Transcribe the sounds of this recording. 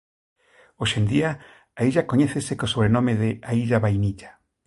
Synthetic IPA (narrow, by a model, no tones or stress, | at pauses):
oʃend̪ia | aiʒakoɲeθesekosoβ̞ɾenomeðeaiʎaβajniʎḁ